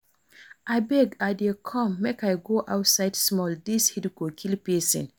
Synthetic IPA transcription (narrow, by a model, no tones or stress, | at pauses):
ʔajbɛɡadekʰɔ̃mːekajɡoʔawtsajdsmɔldishidɡokʰilpisḭ̃n